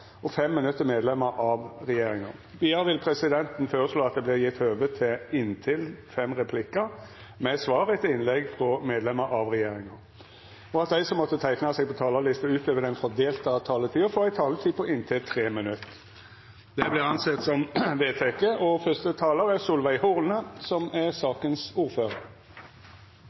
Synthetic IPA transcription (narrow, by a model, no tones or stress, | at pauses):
ɔfɛmːɪnʉt̪ːəmeːd̪lɛmːəɾʔɑʋɾɛjeːɾɪŋɑ̰ʁbiːɑɾʋɪlpʰɾɛsɪd̪ɛnt̪n̩føːɾəsloːɑt̪̚d̪ɛblɪɾjɪt̪ːøːʋət̪ʰːɪɪnt̪ʰɪlfɛmːɾɛpʰlɪkːə | mɛsʋɑːɾət̪ɪɪnlɛɡfɾɔmeːd̪lɛmːəɾʔɑʋɾɛjeːɾɪŋɑ | ɔɑt̪̚d̪æɪsɔmːɔt̪ːət̪ʰæɪknɑsɛɡpɔt̪ʰɑːlɑlɪst̪əʉːt̪løːʋəd̪ɛnfɔʁd̪eːlt̪əɑt̪ʰɑːlət̪ʰiːɔfoːæɪt̪ʰɑːlət̪ʰiːpʰɔʔɪnt̪ʰɪlt̪ʰʁeːmənʉt̪ː | d̪ɛblɪʁɑnsɛt̪sɔmʋeːt̪ʰeːkeːʔɔfœʁst̪ət̪ʰɑːləʁæʁsʊlʋæɪhʊʁnəsɔmæʁsɑːkənsuːʁføːʁəɾ